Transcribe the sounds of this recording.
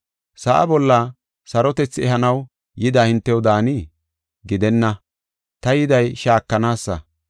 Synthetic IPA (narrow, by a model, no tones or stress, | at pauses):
sɐʔɐ̰bɔlːɐ | sɐɾɔt̪ɛt͡sːɛhɐnɐw | jɪd̪aːhɪnt̪ːɛwd̪aːni | ɡɪd̪ɛnːɐ | t̪ɐjɪd̪ɐjʃaːkːɐnaːsːɐ̰